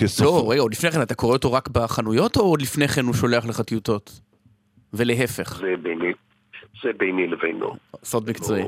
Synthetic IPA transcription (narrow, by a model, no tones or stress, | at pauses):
kesloʁeɡao̞d̪lifne̞jχenat̪akoeot̪oʁakbaχanujo̞to̞od̪lifneχenhuʃo̞leaχleχatiuto̞t | veleɦefe̞χzebeni | zebejnilevejno̰sodmikt͡soi